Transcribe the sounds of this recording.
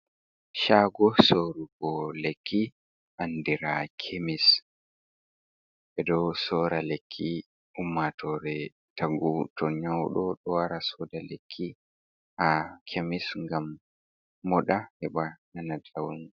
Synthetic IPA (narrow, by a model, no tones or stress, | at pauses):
ʃaːɡɔsoɾukɔlekʰːi | ʔandiɾakʰemis | ʔɛdɔsɔːɾalekʰːi | ʔumːatʰɔɾɛ | tʰaɡutʰɔɲawɗɔɗɔwaɾasɔdalekʰːi | ʔakʰemisŋɡamː | ɔɗahɛɓananadawun